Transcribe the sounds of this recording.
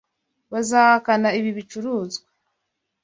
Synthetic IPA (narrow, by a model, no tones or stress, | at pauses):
βazahakanaiβiβit͡ʃuɾuːzɡwa